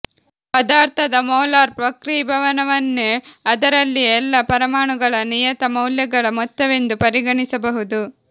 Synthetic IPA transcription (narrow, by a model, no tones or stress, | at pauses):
pɐd̪aːɾt̪ʰɐd̪ɐmɔːlaːɾpɾɐkɾibʱɐʋɐnɐʋɐnːeɐd̪ɐɾɐlːiɛlːɐpɐɾɐmaːɳuɡɐɭɐnijɐt̪ɐmɐwljɐɡɐɭɐmɔt̪ːɐʋe̞nd̪upɐɾiɡɐɳisɐbɐɦud̪u